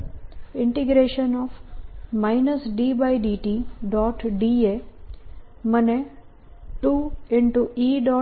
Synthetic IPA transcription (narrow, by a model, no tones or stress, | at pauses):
ɪ̃ɳʈɪɡɾeːʃənɔːfmaːɪnəsɖiːbaɪɖiːʈiɖɔːʈɖiːe | məne | ʈuːɪ̃ɳʈuiːɖɔː